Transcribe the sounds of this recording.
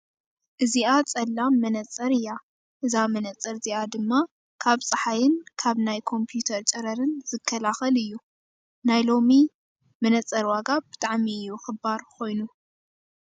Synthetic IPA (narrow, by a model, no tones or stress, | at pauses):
ʔɨziʔat͡sʼɐlːamːɐnɐt͡sʼːɐɾɨjːa | ʔɨzamɐnɐt͡sʼːɐɾziad̪ɨmːa | kʰaβt͡sʼɨħajɪnkʰaβnajkʰo̞mpʰjut̪ʰɐɾt͡ʃʼɐɾɐɾɨnz̥ɨkʰːɐlaxɐlɨjːu | najlo̞mi | mɐnɐt͡sʼːɐɾwaɡab̥ɨt̪ʼaʕmiɨjːuxɨbːaɾkʰo̞jnu